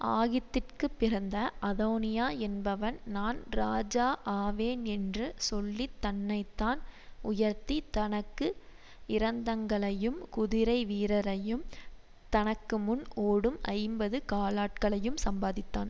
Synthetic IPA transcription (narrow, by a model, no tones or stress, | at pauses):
aːɣɪt̪ːɪrkɯpːɪɾɐnd̪ɐʔɐðoːnɪjaːɛnbɐʋɐnnaːnɾaːd͡ʒaːʔaːʋeːnɛndrɯsɔlːit̪ːɐnːɐɪt̪ːaːnʊjɐɾt̪it̪ɐnɐkːɯ | ɪɾɐnd̪ɐŋɡɐɭɐjɯmkʊðɪɾɐɪʋiːɾɐɾɐjɯm | t̪ɐnɐkːɯmʊnoːɽɯmʔɐ̰ɪmbɐðɯkaːlaːʈ̚kɐɭɐjɯmsɐmbaːðɪt̪ːa̰ːn